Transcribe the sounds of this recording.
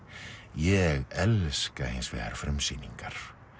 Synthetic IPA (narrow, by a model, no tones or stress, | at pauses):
jɛɣɛlskahɪnsvɛ̰ːɣa̰ɾ̥fɾɛmsiːniŋkaɾ̥